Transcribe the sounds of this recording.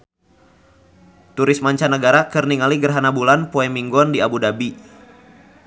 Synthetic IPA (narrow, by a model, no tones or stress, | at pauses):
t̪uɾɪsmaɲt͡ʃanəɡaɾakɨrniŋaliɡərɦanabulanpoɛmiŋɡɔndiabudabi